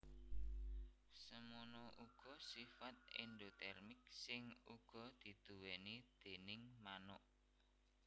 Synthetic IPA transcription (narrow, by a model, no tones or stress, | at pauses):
səmonɔʔuɡ̥ɔ̤sifat̪̚ḭnd̪ot̪ɛrmɪk̚sɪŋuɡ̥ɔ̤d̪̥i̤d̪̥ṳwenid̪̥e̤nɪŋmanɔʔ